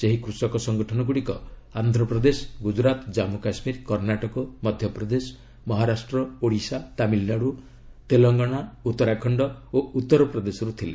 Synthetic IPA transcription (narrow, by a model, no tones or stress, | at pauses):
seɦikɾusɔkɔsɔŋɡɔʈʰɔnɔɡuɽikɔand̪ʱɾɔpɾɔd̪esɔ̥ɡud͡ʒɾat̪d͡ʒamukasmiɾkɔɾnaʈɔkɔmɔd̪ʱjɔpɾɔd̪esɔ̥ | mɔɦaɾasʈɾɔoɽisat̪amilnaɽu | t̪elɔŋɡɔɽ̃aut̪ːɔɾakʰɔɳɖɔout̪ːɔɾɔpɾɔd̪esɔɾut̪ʰile